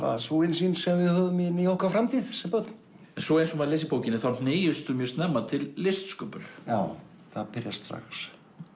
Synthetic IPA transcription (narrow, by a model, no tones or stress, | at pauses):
a̰sowɪnsinsɛmvɪðhœðʏmɛniowhkafɾamt̪ʰiːðsɛmpœt̪n̥ | ɛnsɔejnsɔmɛðlejsɪpoːwcɪnɪθawn̥neːjʏst̪ʏmjœɾst̪nɛmːat̪ʰɪlːɪst̪skœːpʏɾ̥jaw | θaðpɪɾjast̪ɾa̰xs